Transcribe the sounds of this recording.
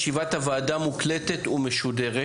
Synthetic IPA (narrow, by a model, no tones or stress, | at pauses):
ʃivat̪havaːdamuklet̪et̪umeʃudeʁe